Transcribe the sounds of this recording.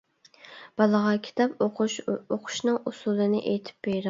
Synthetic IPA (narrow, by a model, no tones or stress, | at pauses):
b̥ɑlˠəʁɑkʲʰi̥t̪ʰɑpʊʃoqʰʊ̥ʃnɨŋʔusulˠɨnɪʔejt̪ʰɪ̥p̚b̥eɾɑ